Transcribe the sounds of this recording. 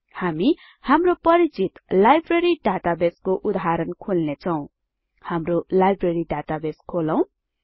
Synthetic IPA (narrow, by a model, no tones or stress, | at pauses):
hami | hamropʌɾit͡sit̪lajbreɾiɖat̪abeskoʔud̪aɦaɾʌnkʰolnet͡sʰʌw̃ | hamrolajbreɾiɖat̪abeskʰolʌw̃